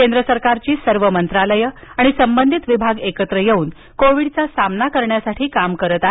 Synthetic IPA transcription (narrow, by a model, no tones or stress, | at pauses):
kend̪ɾəsəɾkaɾt͡ɕiːsəɾʋəmənt̪ɾaləjəaɽ̃isəmbənd̪ʱit̪ʋibʱaɡekət̪ɾəjeuːn | koʋiɽt͡sasamnakəɾɳjasaʈʰiːkamkəɾət̪at̪